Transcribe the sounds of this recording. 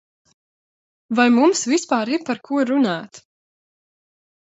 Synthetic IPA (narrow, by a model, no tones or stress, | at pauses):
vajmumsvispaːɾiɾpaɾkʰuɔɾunaːt̪